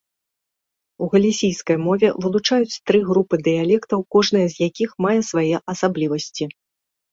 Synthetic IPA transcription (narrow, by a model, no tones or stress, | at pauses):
uɣɐlʲisʲijskɐjmɔvʲɛvɨlˠut͡ʂajut͡sʲt̪ɾɨɣɾupɨd̪ɨjalʲɛkt̪ɐwkɔʐnɐjɐzʲjakʲixmajɛsvajɛʔɐsablʲivɐsʲt͡sʲi